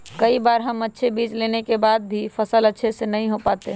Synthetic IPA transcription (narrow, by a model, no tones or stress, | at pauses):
kəibaːɾɦəmətːʃʰebiːt͡ʃlenekebad̪̚bʱifʰəsələtːʃʰesenəɦĩɦopat̪eɦ